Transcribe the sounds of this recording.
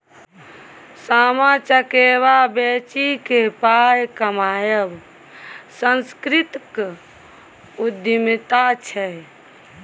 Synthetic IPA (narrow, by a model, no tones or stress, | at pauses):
saːmat͡ʃəkeβabet͡ʃikepajkəmaːjəb | sənskɾit̪k | ud̪imit̪at͡ʃʰɛ